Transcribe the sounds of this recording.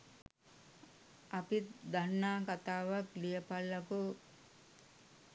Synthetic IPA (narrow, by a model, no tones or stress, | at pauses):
apid̪anːaːkat̪aːʋaklijəpalːaku